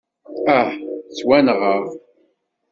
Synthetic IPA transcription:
æħt͡swænʁəʁ

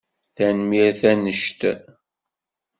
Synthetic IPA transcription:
θænmiɾθænəʃt̪

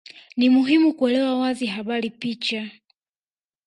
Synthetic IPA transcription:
nimuɦimukuɛlɛwawaziɦaɓaɾipit͡ʃa

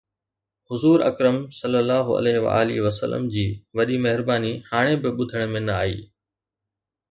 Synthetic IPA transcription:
hʊzuːɾɐ̰kɾəmsɐlːəlːaːɦʊɐ̰leːɦɪʋa̰a̰ːlḭʋɐsə̰lə̰md͡ʑiːʋɐɗimɐɦɪɾbaːnihaːɽ̃ẽbɪɓʊd̪ʱəɽ̃ʊmẽnɐaːḭː

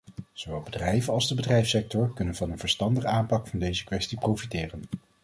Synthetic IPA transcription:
z̥oʋɛlˠbədrɛjvənɑlˠzdəbədrɛjfsɛk̚tɔɹkɵnənvɑnənvəɹstɑndəχəaːmpɑkfɑndejzəkʋɛstiprowfitɪːrən

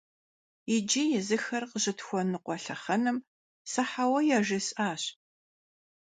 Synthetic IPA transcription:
ɪd͡ʒijɛzɨxɐrqəʑɪtxʷɔnɨqʷɔɬɐχɐnɨm | sɐħawɐjɛʒɪsʼaːɕ

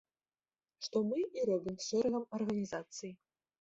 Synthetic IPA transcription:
ʂt̪ɔmɨiɾɔbʲimʂɛɾɛɣɐmɐrɣɐnʲizat̪sɨji

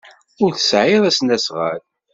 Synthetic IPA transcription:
ʊɾθə̥sʕɪðˤæsnæsʁa̰ɾ

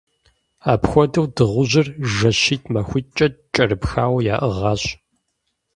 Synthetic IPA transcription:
aːpxʷɔdɐwdɨʁʷʊʑɪrʒɐɕiːtʰmɐxʷʊt͡ʃʼɐt͡ʃʼɐɾɨpxaːwɐja̰ːʔɨʁɐːɕ

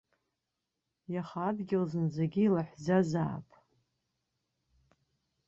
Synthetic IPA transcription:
jaχadɡʲɪlzɨnd͡zaɡʲiilaħʷzaza̰ːpʼ

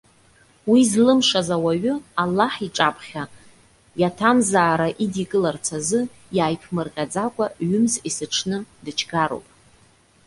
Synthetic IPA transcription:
wizlɨmʂazawaɥʊalːaħiʈ͡ʂʼapʰʼχʲa | jatʰamzaːɾaʔidikʼɨlart͡sʰazɨ | jaːjpʰmɨrqʲʼad͡zakʷʼaɥʏmzisɨʈ͡ʂʰnɨdɨt͡ʃʰɡaɾo̰wpʼ

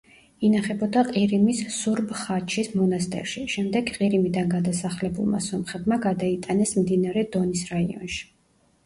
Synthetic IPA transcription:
inaχɛbɔd̪aqʼiɾimissuɾbχat͡ʃʰismɔnast̪ʼɛ̰ɾʃiʃɛmd̪ɛɡqʼiɾimid̪anɡad̪asaχlɛbṵlˠma̰sɔmχɛb̪maɡad̪ait̪ʼanɛsmd̪inaɾɛd̪ɔnisɾaiɔ̰nʃi̥

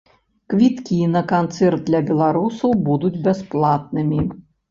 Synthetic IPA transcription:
kvʲit̪kʲinɐkant̪sɛrd̪̚d̪lʲɐbʲɛlˠaɾusɐwbud̪ud͡zʲbʲɛsplˠat̪̚nɨmʲi

